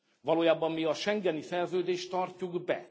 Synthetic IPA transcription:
vɒloːjaːbɒmːiɒʃɛŋɡɛnisɛrzøːd̪eːʃt̪ːɒrcuɡbɛ

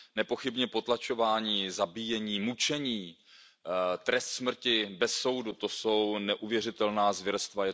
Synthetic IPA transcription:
nɛpo̞xɪbɲɛpo̞t̪lat͡ʃo̞vaːɲiːzabijɛɲiːmut͡ʃɛɲiː | t̪ɾɛst̪smr̩cɪbɛsːo̞wdut̪o̞so̞wnɛʔuvjɛrɪt̪ɛlnaːzvjɛɾɛst̪vajɛ

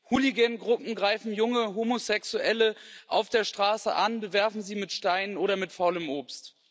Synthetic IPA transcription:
huliɡɛnɡʁʊpm̩ɡʁaɪfn̩jʊŋəɦomosɛksuʔɛləʔaʊfd̥eːɐʃtʁ̥aːsə̰ʔanbəvɛɐfn̩ziːmɪtʃtaɪnənoːɾɐmɪtfaʊləmʔoːpst

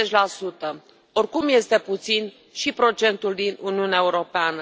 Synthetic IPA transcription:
et͡ʃʲlasut̪ə | o̞rkumje̞st̪e̞put̪sin | ʃipɾo̞t͡ʃe̞nt̪uld̪inṵniuneaeuɾo̞peanə

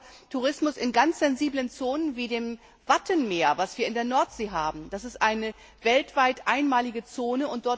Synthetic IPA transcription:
tʰuʁɪsmʊsɪnɡant͡sz̥ɛnziːblənt͡soːnənviːdeːm | vatʰənmeːɐvasv̥iːɐɪndeːɐnɔɐtz̥eːɦaːbm̩d̥asɪstʔaɪnə | vɛltv̥aɪtʔaɪnmaːlɪɡət͡soːnəʊnt̚d̥ɔɐ

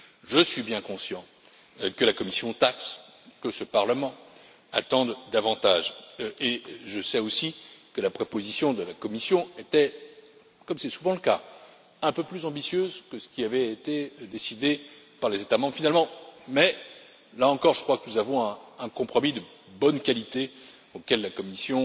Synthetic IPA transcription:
ʒəsɥibjɛ̃kɔ̃sjɑ̃ | kəlakɔmisjɔ̃t̪aks | kəsəpaʁləmɑ̃ | a̰t̪ɑ̃d̪d̪avɑ̃t̪aʒeʒəsɛosikəlapχopozisjɔ̃d̪əlakɔmisjɔ̃et̪ɛ | kɔmsɛsuvɑ̃ləka | ɛ̃pøplyzɑ̃bisjøzkəsə̥kʲiavɛːt̪ed̪esid̪e | paʁlezet̪amɑ̃bʁfinalmɑ̃mɛ | laɑ̃kɔʁʒəkχwakənuzavɔ̃ɛ̃ɛ̃kɔ̃pχɔmid̪ə | bɔnkʲalit̪e | okʲɛlːakɔmisjɔ̃

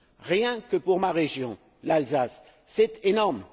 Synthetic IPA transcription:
ʁjɛ̃kəpuʁmaʁeʒjɔ̃ | lalzasː | ɛt̪enɔʁm

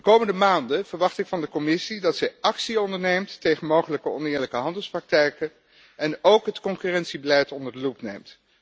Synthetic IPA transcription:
dəkowməndəmaːndəv̥əɹʋɑχtɪkfɑndəkɔmɪsidɑtsɛjɑksiɔndəɹnejmtːejχənmowχələkəɔnɪːɹləkəɦɑndəlˠsprɑk̚tɛjkə | ɛnowkɦətkɔŋkyrɛntsibəlɛjtɔndəɹdəlupnejmt

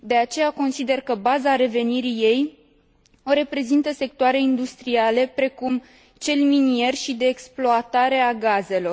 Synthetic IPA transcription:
d̪e̞at͡ʃe̞jako̞nsid̪e̞rkəbazaɾe̞ve̞niɾije̞j | o̞ɾe̞pɾe̞zint̪əse̞k̚t̪oaɾe̞ind̪ust̪ɾiale̞pɾe̞kum | t͡ʃe̞lminie̞rʲʃid̪e̞ːksploat̪aɾe̞aɡaze̞lo̞r

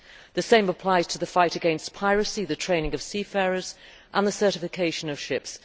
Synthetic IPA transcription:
ðɨsẽɪ̃məpʰl̥aɪz̥tʰəðəfaɪtɨɡɛ̃nspʰaɪɹəsiðətʰɹ̥ẽɪ̃nɪ̃ŋəv̥siːfɛɹəz̥ | ʔə̃nðəsɜˑ˞ɾɪfɪkʰeɪʃə̃nəv̥ʃɪps

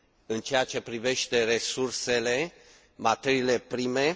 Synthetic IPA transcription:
ɨnt͡ʃe̞jat͡ʃe̞pɾive̞ʃt̪e̞re̞surse̞le̞ | mat̪eɾile̞pɾime̞

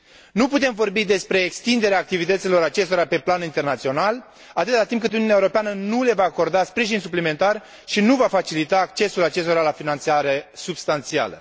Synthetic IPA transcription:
nuput̪e̞mvo̞rbid̪e̞spɾe̞ːkst̪ind̪e̞ɾeaːkt̪ivit̪ət̪silo̞ɾat͡ʃe̞st̪oɾape̞planint̪e̞rnat̪sio̞nal | at̪ɨt̪at̪impkɨt̪ununaeuɾo̞peanənule̞vaːko̞rd̪aspɾiʒinsuplime̞nt̪ar | ʃinuvafat͡ʃilit̪aːkt͡ʃe̞sulat͡ʃe̞s̬t̪oɾalafinant̪siaɾe̞subst̪ant̪sia̰lə̰

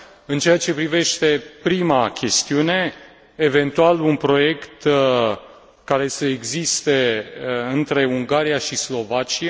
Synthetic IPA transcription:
ɨnt͡ʃe̞at͡ʃe̞pɾive̞ʃt̪e̞pɾimakʲe̞st̪iune̞ː | ve̞nt̪ualunpɾo̞je̞kt̪ | kaɾe̞səeɡzist̪e̞ɨnt̪ɾe̞uŋɡaɾijaʃislo̞vat͡ʃia

